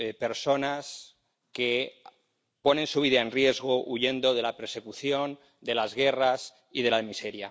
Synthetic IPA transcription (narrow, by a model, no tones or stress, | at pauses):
pe̞ɾso̞nas | ke̞ | po̞nẽ̞nsuβ̞iðae̞nrje̞zɣo̞ʔuʝe̞nd̪o̞ð̞e̞lape̞ɾse̞kuθjo̞n | d̪e̞lazɣe̞ras | ið̞e̞lamise̞ɾja